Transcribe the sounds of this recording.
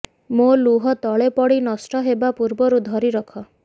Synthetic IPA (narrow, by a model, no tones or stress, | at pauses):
moluɦɔt̪ɔɭepɔɽinɔsʈɔɦebapuɾbɔɾud̪ʱɔɾiɾɔkʰɔ